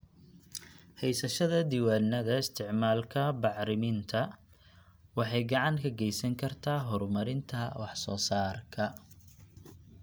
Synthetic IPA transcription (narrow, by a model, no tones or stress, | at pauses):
hɛjsɐʃɐðɐd̪ɪwaːnːɐðɐɪst̪ʰɪʕmaːlkʰɐbɑʕɾɪmɪnt̪ʰɐ | wɑħɑjɡɑʕɑŋkʰɐɡɛjsɐŋkʰɐrt̪ʰaːɦɔrmɐɾɪnt̪ʰɐwɑħsɔːsaːrkʰɐ